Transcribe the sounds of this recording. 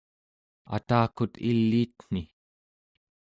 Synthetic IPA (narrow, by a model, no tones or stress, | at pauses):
a̰t̪aːkut̪ilːiːt̪n̥i